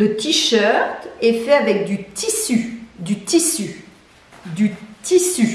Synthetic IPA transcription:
lət̪iʃœʁt̪ɛfɛavɛk̚d̪yt̪isyd̪yt̪isy | d̪yt̪isy

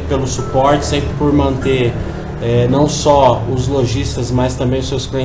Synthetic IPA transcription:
pelʊsupɔɾt͡ʃɪ̥sẽmpɾɪpoɾmɐ̃nt̪eɾ | ɛnɐ̃w̃sɔʊzloʒist̪ɐzmɐst̪ɐ̃mbẽj̃ʊsewsklẽ

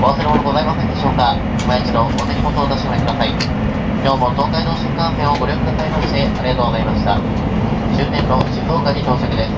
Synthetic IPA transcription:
o̞β̞aseɾɯɦonoɡo̞zaimase̞nd̪e̞ɕo̞ːka | imait͡ɕid̪o̞oneɾʲimot̪oːzaɕimaekɯd̪asai | kʲo̞ːmo̞t̪o̞ːkaino̞ɕɨ̃ŋkãɰsẽɰ̃o̞ɡo̞ɾʲjo̞kɯ̟d̪asaimaɕd̪e̞aɾʲijat̪oːɡozaimaɕi̥t̪a | ɕɨːt̪ːẽ̞nːo̞t͡ɕihoːkaɲit̪o̞ːɕokɯ̟d̪e̞sɨ̥

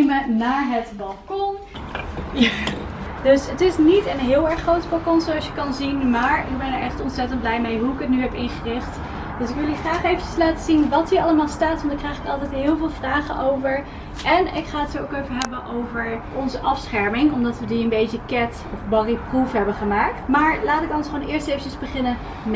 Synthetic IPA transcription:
mənaːɹɦətbɑlˠkɔn | d̥ɵsətɪsnitənɦɪːlˠɛɹχrowtpɑlˠkɔnsoɑsjəkɑnzinmaːɹɪɡ̚bɛnəɹɛχtɔntsɛtənt̚blɛjmejɦuɪkətnyɦɛpɪnχərɪχt | d̥ɵsɪkʋɪlˠyχraːχejvət͡ʃəslaːtəzinʋɑtɦiːɹʔɑləmaːlˠstaːtʋɑndaɹkrɛjχɪkɑlˠtɛjtnɦɪːlˠvɪːlˠvraːχənʔowvəɹ | ʔɛnɪkχaːətsookejvəɦɛbənʔowvəɹ | ɔnzəʔɑfsχɛɹmɪŋɔmdɑtʋədiənbejtəkɛt | ɔfbɑriprufɦɛbəχəmaːk̚tmaːɹlaːtɪkɔnsχoːnɪːɹstejvət͡ʃəzbəχɪnən

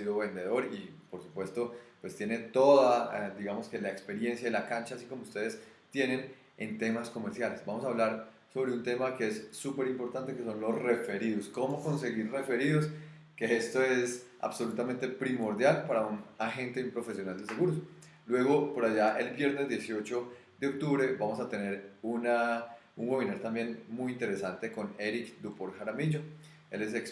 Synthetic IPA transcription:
iðoβe̞nd̪e̞ðo̞ɾipo̞ɾsupwe̞st̪o̞pwe̞st̪je̞ne̞t̪o̞ðad̪iɣamo̞ske̞laekspe̞ɾje̞nsjaðelakant͡ʃaːsiko̞moust̪e̞ð̞est̪je̞nen | ḛnt̪e̞masko̞me̞ɾsjale̞sbamosaːβlaɾ | so̞βɾe̞unt̪e̞make̞esːupe̞ɾimpo̞ɾt̪ant̪e̞keso̞nlo̞sre̞fe̞ɾiðosko̞mo̞ko̞nse̞ɣiɾre̞fe̞ɾiðos | kee̞st̪o̞e̞s | a̰β̥so̞lut̪amẽnt̪e̞pɾimo̞ɾd̪jalpaɾaunaxe̞nt̪e̞umpɾo̞fesjo̞nald̪es̬eɣuɾos | lwe̞ɣo̞po̞ɾaʝaʔe̞lbje̞ɾnezd̪je̞sjo̞t͡ʃo̞ | d̪eok̚t̪uβɾe̞bamo̞sat̪e̞ne̞ɾunauŋwe̞βinaɾt̪ambje̞nmujint̪e̞ɾe̞sant̪e̞ko̞ne̞ɾikd̪upoɾxaɾamiʝo | e̞le̞s̬eks

